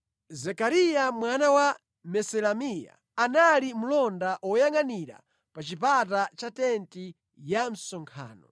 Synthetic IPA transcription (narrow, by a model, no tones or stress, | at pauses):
zɛkaɾijamwanawa | mɛsɛlamija̰ːnalimulɔndaʔɔjaŋaniɾa̰ | pat͡ʃipatat͡ʃatɛnti | jam̩sɔŋkʰa̰ːnɔ̰